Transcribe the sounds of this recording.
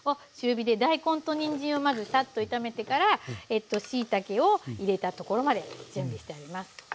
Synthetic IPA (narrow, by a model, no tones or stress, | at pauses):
o | ɕɨːbʲid̪e̞d̪aikõ̞nt̪o̞ɲ̟ĩɲ̟d͡ʑĩɰ̃o̞mazɨsat̪ːo̞it̪ame̞t̪e̞kaɾae̞t̪ːo̞ɕiːt̪ake̞o̞iɾe̞t̪at̪o̞ko̞ɾo̞mad̪e̞d͡ʑɨ̟̃mbʲiɕi̥t̪e̞aɾʲimasɨ̥